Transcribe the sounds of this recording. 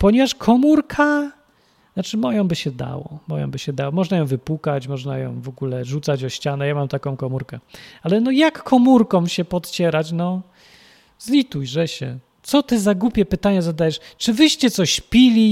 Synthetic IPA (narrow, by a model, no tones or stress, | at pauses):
pɔɲɛvaʂkʰɔmuɾkʰa | nat͡ʂɘmɔjɔ̃w̃bɘɕɛd̪a̰wɔmɔjɔ̰̃wbɘɕɛd̪awɔmɔʐnajɔ̃w̃vɘpukat͡ɕmɔʐna̰jɔ̰̃w̃vɔɡulɛʐut̪sad͡ʑɔɕt͡ɕanɛjamamt̪akɔ̃w̃kɔmuɾkɛalɛnɔjakːʰɔmuɾkɔwɕɛpɔt̪t͡ɕɛɾat͡ɕnɔ | zlʲit̪ujʐɛɕɛ̰ | t̪sɔt̪ɘzaɡupʲjɛpɘt̪aɲazad̪ajɛʂt͡ʂɘvɘɕt͡ɕɛt̪sɔɕpʲilʲi